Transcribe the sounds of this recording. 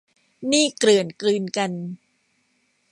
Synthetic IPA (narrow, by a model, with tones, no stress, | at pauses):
niː˥˩kɾɯ˨˩ənklɯː˧nka˧n